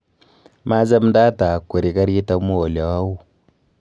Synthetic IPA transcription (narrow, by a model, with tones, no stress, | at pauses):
ma˦za˦mnda˦ta˨kːu˨ɾi˨ka˦ɾi˦ta˦mu˦o˨lja˨wa˦u˦˨